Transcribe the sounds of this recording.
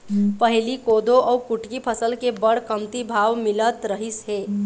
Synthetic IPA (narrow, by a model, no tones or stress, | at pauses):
pəɦilikod̪oʔɔukuʈkipʰəsəlkebəɽ̤kəmt̪ibʱaʋmilət̪ɾəɦisɦe